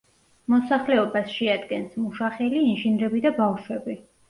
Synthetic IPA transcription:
mɔsaχlɛɔbasʃɛad̪ɡɛnsmuʃaχɛliːnʒinɾɛbid̪abafʃwɛbi

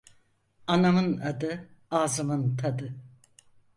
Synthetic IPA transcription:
anamɯnad̪ɯaːzɯmɯnt̪ʰad̪ɯ

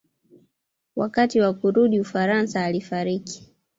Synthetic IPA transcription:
wakatiwakuɾuɗiufaɾansaːlifaɾiki̥

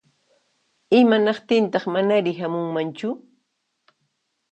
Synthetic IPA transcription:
ɪmanɑqt̪ɪnt̪ɑχmanaɾɪɦamʊŋmant͡ʃʊ

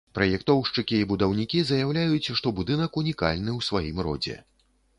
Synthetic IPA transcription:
pɾɐjɛkt̪ɔwʂt͡ʂɨkʲiːbud̪ɐwnʲikʲizɐjawlʲajut͡sʲʂt̪ɔbud̪ɨnɐkunʲika̰lʲnɨwsvajimrɔ̰d͡zʲɛ̰

